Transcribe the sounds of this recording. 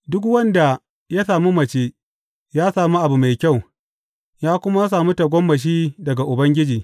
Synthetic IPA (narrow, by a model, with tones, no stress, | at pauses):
dʊ˦kwɐ˦nda˨ | ja˦saː˨mu˦mɐ˨t͡ʃeː˦ | jaː˦saː˨mu˦ʔa˨bu˨ma˨jkʲa˦˨w | jaː˦kʷʊ˦ma˦s̬aː˨mu˦ta˨ɡʷɔ˦mːɐ˨ʃ̬iː˦dɐ˨ɡa˨ʔʊ˨bɐ˦ŋɡʲɪ˦d͡ʒiː˨